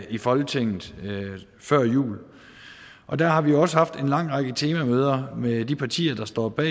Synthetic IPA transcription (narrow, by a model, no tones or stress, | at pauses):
ifɒ̽lɡ̥ət͡sʰe̝ŋ̰ð̩ˠ | fɶɐ̰jṵːl | ʔɒ̽d̥æɐɦɑ̈ʋijo̝ɒ̽səhɑ̈fd̥e̝nlɑ̈ŋ̰ʁɑ̈ɡ̥ət͡sʰe̝ːmæmøːð̞ˠɐmed̥ipʰɑ̈t͡sʰḭːɐd̥ɑ̈sd̥ɒ̰ːb̥ɛ̰ː